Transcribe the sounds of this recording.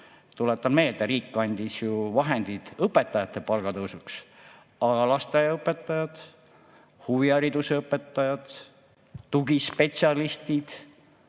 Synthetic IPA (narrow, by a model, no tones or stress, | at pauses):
t̪ulet̪ːˑɑnme̞ːld̪eɾiːkːɑnʲd̪̥isjuvɑɦe̞nd̪̥id̪̥ɤpːe̞t̪ːˑɑjɑt̪ːˑe̞pɑlɡ̥ɑt̪ɤwsuks | ɑɑlɑst̪ɑjɑɤpːˑet̪ːˑɑjɑd̪̥ | huviɑɾid̪̥useɤpːˑet̪ːɑjɑd̪̥ː | uɡispe̞t̪siɑlist̪id̪̥